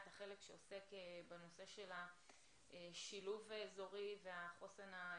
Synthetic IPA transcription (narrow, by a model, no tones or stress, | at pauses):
t̪haχe̞lekʃeose̞kebeno̞se̞ʃe̞la | eʃiluvaezo̞ʁiveaχosena